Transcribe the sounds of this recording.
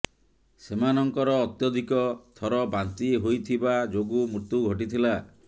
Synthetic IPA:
semanɔŋkɔɾɔːt̪jɔd̪ʱikɔt̪ʰɔɾɔbant̪iɦojt̪ʰibad͡ʒoɡumuɾt̪uɡʱɔʈ̬it̪ʰila

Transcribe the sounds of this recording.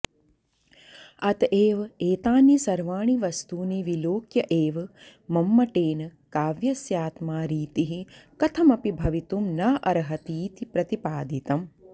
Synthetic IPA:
ɐt̪eːʋeːt̪aːnisɐɾʋaːɳiʋɐst̪uːneʋiloːkjɐʔeːʋmɐmːɐʈeːnɐkaːʋjɐsjaːt̪maːɾiːt̪iɦikɐt̪ʰɐmɐpibʱɐʋit̪umnaːʔɐɾɐɦɐt̪iːt̪ipɾɐt̪ipaːd̪it̪ɐm

